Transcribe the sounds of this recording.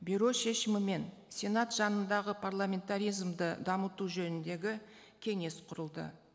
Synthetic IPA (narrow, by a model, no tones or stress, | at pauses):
bʲuɾo̞ʃe̞ʃɪmɪme̞n | sʲe̞nat̪ʒ̥ɑnənd̪ɑʁəpʰarlˠamʲe̞nt̪aɾʲijzmd̪əd̪ɑmət̪uʒɵnɪnd̪e̞ɡʲɪ | kʲʰe̞ŋe̞sqʰʊɾəlˠd̪ə̰